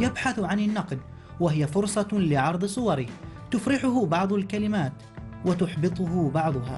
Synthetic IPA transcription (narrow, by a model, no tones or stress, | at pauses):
jabħaθʕanɪnːɑqd̪ | waɦɪjafʊɾsˤɑlɪʕɑɾˤd̪ˤɨsˤʊwɑɾɪt̪ʊfɾɪħʊɦʊbɑʕd̪ˤalkalɪmaːt̪ | wat̪ʊħbɨt̪ˤʊɦʊbɑʕd̪ˤʊɦa̰ː